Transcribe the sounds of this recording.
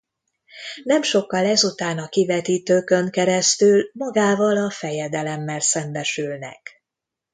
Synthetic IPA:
nɛmʃo̞kːɒlɛzut̪aːnɒkivɛt̪iːt̪øːkøŋkɛɾɛst̪ylmɒɡaːvɒlɒfɛjɛd̪ɛlɛmːɛlsɛmbɛʃylnɛ̰k

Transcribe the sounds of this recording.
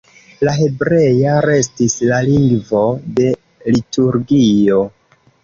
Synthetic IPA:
laɦe̞bɾe̞jaɾe̞stislaliŋɡvo̞de̞ | lituɾɡio̞

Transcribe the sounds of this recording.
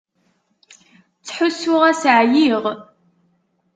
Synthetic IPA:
t͡sħʊsʊʁasʕjiʁ

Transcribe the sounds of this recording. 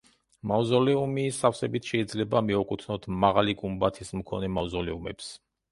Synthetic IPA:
mazɔlɛumisafsɛbit̪ʰʃɛid̪zlɛbamiɔkʼut̪ʰnɔt̪ʰmaʁaliɡʼumbat̪ʰismkʰɔnɛmavzɔlɛumɛ̰ps

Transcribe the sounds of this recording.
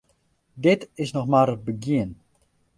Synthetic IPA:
dɪtɪsnɔxmaːɾəbəɡjiən

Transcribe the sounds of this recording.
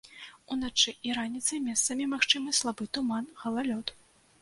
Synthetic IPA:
unat͡ʂɨʔiɾanʲit̪sɨjmʲɛst̪sɐmʲimaxt͡ʂɨmɨslˠabɨt̪umanɣɐlˠalʲɔt̪

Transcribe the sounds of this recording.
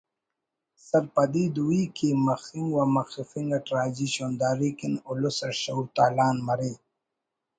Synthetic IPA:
sɐɾpɐd̪iːd̪uwiːkimɐxiŋɡwamɐxifiŋɡaʈɾaːd͡ʑiɕoːnd̪aːɾikinʊlusɐɕɐut̪aːlaːnmɐɾe

